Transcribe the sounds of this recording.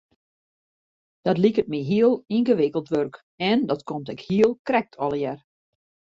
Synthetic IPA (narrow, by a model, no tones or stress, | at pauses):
d̥ɔtlikət̚miɦiəlˠinɣəʋɪkəlˠtʋørk | ɛndɔtkomtɛkhiəlˠkrɛk̚tʰɔlˠjɛr